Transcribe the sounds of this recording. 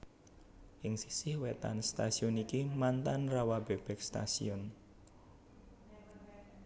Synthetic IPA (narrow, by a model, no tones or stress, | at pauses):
ʔɪŋsisɪhwet̪a̰nst̪asiɔnikimant̪anrawab̥eb̥ɛ̤k̚st̪a̰sḭɔn